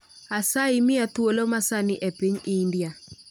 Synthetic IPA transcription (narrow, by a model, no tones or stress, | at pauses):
asaɪmɪat̪wolomasanɪʔepiɲiːndia